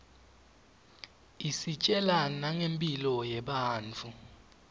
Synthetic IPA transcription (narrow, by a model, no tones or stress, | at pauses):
isit͡ʃʼɛlanaŋempʼilɔjɛɓaːnt͡fʰu